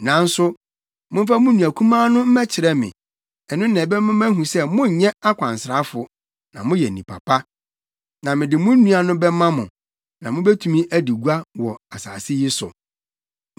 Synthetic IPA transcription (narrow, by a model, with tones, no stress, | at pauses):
nã˨˦n̩˦sʊ˦ | mʊ̃˦m̩˦fa˦mʊ̃˦nũ˨æ˨kʰũ˦mãː˦nʊ̃˦m̩˦mɛ˦t͡ɕʰɪ˨ɾɛ˦mɪ̰̃˨ | ɛ˨nʊ̃˦nɛ̃˨bɛ˦mʊ̃˦æ̃˦ɦũ˨sɛ˦mʊ̃˦˨ɲɛ̃˦a˦kʷʰã˨nsɾa˨˦fʊ˨ | nã̰˨mʊ̃˦jɛ˨nĩ˨pʰa̰˨pʰa˦ | nã˨mɪ̃˨dɪ˨mʊ̃˦nũ˦a˨nʊ̃˦bɛ˦mã˦mʊ̃˨ | nã˨mʊ̃˦bɛ˦tʰũ˦mĩ˦ʔæ˦di˨ɡu˦a˦wɔ˨a˨sa̰ː˨sɪ˦jɪ˦sʊ̰˨